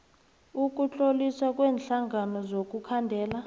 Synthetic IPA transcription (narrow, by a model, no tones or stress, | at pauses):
uk̬ʼuɬʼoliswak̬ʼwɛːnɬaŋɡanɔzok̬ʼukʰandʱɛːla